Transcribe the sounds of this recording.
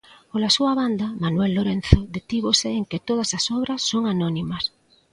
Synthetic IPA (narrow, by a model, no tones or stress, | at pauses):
polasuɐβand̪ɐmanuelːoɾen̟θoðet̪iβosɪeŋket̪oð̞ɐsɐsɔβɾɐsːoŋanɔnimɐs